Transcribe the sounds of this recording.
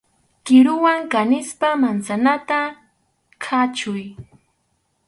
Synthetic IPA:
kɪɾʊwaŋkanɪspamant͡sanat̪a | kʰat͡ʃʊj

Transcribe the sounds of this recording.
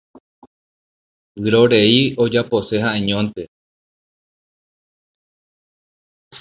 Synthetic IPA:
wɨɾo̞ɾeiod͡ʒapose̞haʔẽɲõnt̪e̞

